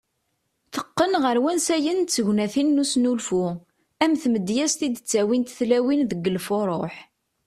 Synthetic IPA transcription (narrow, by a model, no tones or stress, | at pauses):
θəqːənʁəɾwænsæjənt͡sːəʝnæθinːusnulfu | æmθməd̪jæst̪id̪ət͡sːæwint̪θlæwinðəɡːəlfʊɾˤo̰ħ